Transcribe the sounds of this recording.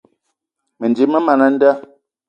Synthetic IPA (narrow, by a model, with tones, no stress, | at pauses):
me˨nd͡ʒi˨mə˦ma˨na˦n̩˦da˦